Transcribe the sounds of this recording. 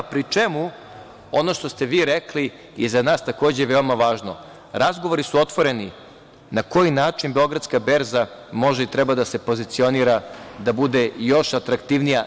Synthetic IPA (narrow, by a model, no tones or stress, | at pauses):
pɾit͡ʃemu | o̞no̞ʃt̪o̞st̪e̞ʋiːɾekli | jizanaːst̪ako̞ːd͡ʑeʋe̞omaʋaːʒno | ɾazɡo̞ʋo̞ɾisuo̞t̪ʋo̞ɾe̞ni | nako̞jinaːt͡ʃinbeo̞ɡɾat̪skabe̞ɾzamo̞ʒeit̪ɾɛbad̪ase̞po̞zit̪sio̞niːɾad̪abud̪ejo̞ʃat̪ɾakt̪iʋnija